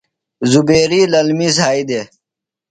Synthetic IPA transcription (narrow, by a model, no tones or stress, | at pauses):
zubeːɾiːlɐlmiːs̬aːid̪e